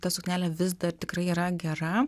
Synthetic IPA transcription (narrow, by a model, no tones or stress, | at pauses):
t̪ɐsʊkʲnʲæːlʲɛʋʲɪs̬d̪ɐrt̪ʲɪkɾɐɪiːɾɐɡʲɛrɐ